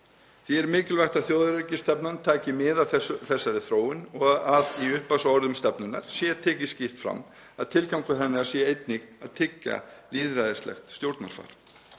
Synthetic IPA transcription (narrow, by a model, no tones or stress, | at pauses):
θiɛɾmɪːcɪlvajxt̪aðθjoːwðʏɾecɪst̪ɛpnant̪ʰaːcɪmɪðaθɛθɛsːaɾɪθɾoːwɪnɔɣaðiʏhpasɔɾðʏmst̪ɛpnʏna̰ɾ̥sjɛt̪ʰɛːcɪscɪht̪fɾa̰mː | aðt̪ʰɪlkawŋkʏθɛnːɪḁsjɛejt̪niɣaðt̪ʰɪcːa̰liːðɾajðɪst̪lɛ̰xt̪st̪jowɾt̪naɾ̥fa̰ːɾ̥